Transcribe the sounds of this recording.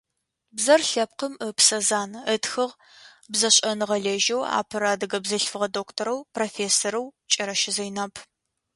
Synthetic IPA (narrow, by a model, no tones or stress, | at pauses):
bzɐrɬɐp̚qəməpsɐzaːnətxɨʁ | bzɐɕʼɐnɨʁɐɮeʒɐwa̰ːpʰɐɾaːdɨɡɐbzɐɬfɨʁɐdoːktʰoɾɐwproːfeːsɐɾɐwt͡ʃʼɐɾɐʃɪzɐjnɐpʰ